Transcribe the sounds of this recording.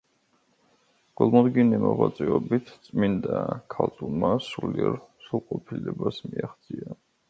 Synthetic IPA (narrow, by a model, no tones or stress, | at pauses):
ɡ̥ɔlˠmɔd̪ɡinimɔʁwat̪sʼɛɔbit̪ʰt̪sʼmind̪akʰalt̪t̪ʼulˠmasuliɛɾsulˠqʼɔpʰilɛbasmiaχt̪sʼia